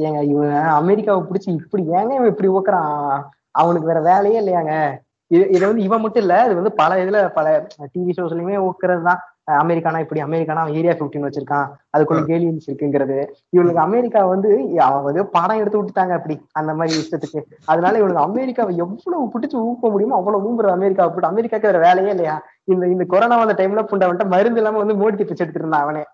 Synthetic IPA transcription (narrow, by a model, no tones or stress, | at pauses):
jeːŋɡɐɪʋɐɐmɛɾɪkːaːʋɐpʊɽɪt͡ʃːɯɪpːɐɽiɛːŋɡɐʋɐ̃ɪpːɐɽioːkːɐɾãː | ɐʋɐɳɯkːɯʋɛːɾɐʋeːlɐjeːɪlːɐjaːŋɡɐ | ɪðɪðɐʋɐnd̪ɯɪʋɐ̃mʊʈːɯ̃ɪlːɐɐðɯʋɐnd̪ɯpɐlɐɪðɪlpɐlɐʈiʋisoːsɐlːɐmeːoːkːɐɾɐðɯt̪ãː | ɐmɛɾɪkːaːnãːɪpːɐɽiɐmɛɾɪkːaːnaːɐʋɐ̃eːɾɪjaːfɪfʈinʋɐt͡ʃːɪɾɯkːãːɐðɯkːɔlːɐkeːlɪʋɐnsɪɾɯkːɯɪŋɡɪɾɐðɯɪʋɐɳɯkːɐɐmɛɾɪkːaːʋɐnd̪ɯɐʋɐ̃ʋɐðɐopaːɽãːɛɽɯt̪ːɯpʊʈːɯt̪ːaːŋɡɐɪpːɐɽiɐnd̪ɐmaːd̪ɾiɪʂʈɐt̪ːɯkːɯɐðɯnaːlɐɪʋɐɭɯkːɐmɛɾɪkːaːʋɐ̃ɛʋːɐɭopʊʈːɪt͡ʃːɯuːkpːoːɐmʊɽɪjɐmãɐʋːɐɭoːuːmbɯɾɐðɐmɛɾɪkːaːʋɐpʊʈːɐmɛɾɪkːaːkːɐɾɐʋeːlɐjẽːɪlːɐjaː | ɪnd̪ɪnd̪ɐkɔɾoːnaːʋɐnd̪ɐʈɐɪmlaːpʊɳɖaʋɐɳʈːamɐɾɯnd̪ɪlːaːmeːʋɐnd̪ɯmoːɽɪt̪ːɪpːɐt͡ʃːɛɽɯt̪ːɯɾɯnd̪ãːɐʋɐneː